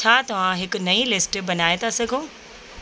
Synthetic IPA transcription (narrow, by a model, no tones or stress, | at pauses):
t͡ɕʰaːt̪ɐʋ̤ãɦɪkʊ̆nɐilɪsʈbɐnaːet̪asɐɡʱõː